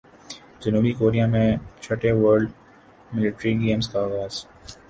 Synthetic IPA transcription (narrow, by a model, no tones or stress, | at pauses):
d͡ʒɐnuːbikoːɾijamẽt͡ʃʰɐʈeʋəɾɖ | mɪlɪʈɾiɡeːmskaːɣaːz̥